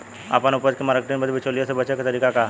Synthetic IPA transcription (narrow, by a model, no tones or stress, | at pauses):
a̰pənʊpəd͡ʒkemaːɾkeʈinbəd̪bit͡ʃoːlijasebɐt͡ʃeket̪ɐɾiːkaka